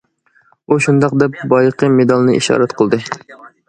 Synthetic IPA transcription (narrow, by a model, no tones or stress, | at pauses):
uʃund̪ɑqd̪ɛp̚bɑjəqʰəmed̪ɑlˠnɨḭʃɑ̰ːɾɛt̪qʰəlˠd̪ɨ